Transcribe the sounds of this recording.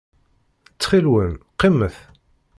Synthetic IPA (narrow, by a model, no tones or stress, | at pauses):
t͡sːχilwəmqimːəθ